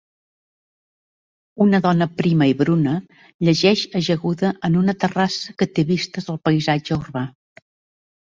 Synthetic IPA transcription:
unəðɔnəpɾiməiβɾunə | ʎəʒɛʃəʒəɣuðəʔənunət̪ərasəkət̪eβist̪əzəlˠpəizad͡ʒəurβa

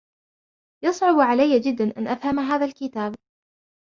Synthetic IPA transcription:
jɑsˤʕʊbʕalajːad͡ʒɪd̪ːanʔanʔafhamaɦaːðalkɪt̪aːb

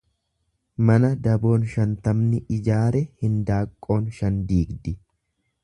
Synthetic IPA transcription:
mɐnɐd̪ɐbo̞ːnʃɐnt̪ɐmnɪʔɪd͡ʒaːɾɛhɪnd̪aːkʼːo̞ːnʃɐnd̪iːɡd̪ɪ

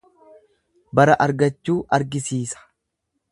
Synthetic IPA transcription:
bɐɾɐʔɐɾɡɐt͡ʃːuːʔɐɾɡɪsiːsɐ̥

